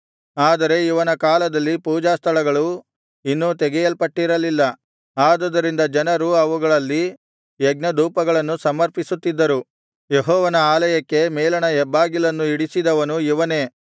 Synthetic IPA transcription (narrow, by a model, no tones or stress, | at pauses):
aːd̪ɐɾe̞iʋɐnɐkaːlɐd̪ɐlːipuːd͡ʒaːst̪ʰɐɭɐɡɐɭu | inːut̪ɛɡɛjɐlpɐʈːiɾɐlilːɐ | aːd̪ud̪ɐɾind̪ɐd͡ʒɐnɐɾuɐʋuɡɐɭɐlːi | jeɡ̚nɐd̪uːpɐɡɐɭɐnːusɐmɐɾpisut̪ːid̪ːɐɾu | jeɦɔːʋɐnɐaːlɐjɐkːe̞mɛːlɐɳɐɛbːaːɡilɐnːuiɽisid̪ɐʋɐnuiʋɐne̞ː